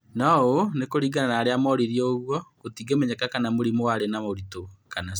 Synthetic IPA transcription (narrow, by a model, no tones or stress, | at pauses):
nɔonekoɾiːɡananaːɾeamɔɾiɾiɔoɣwɔkotiːɡemɛɲɛkakanamoɾimowaɾenamoɾitokana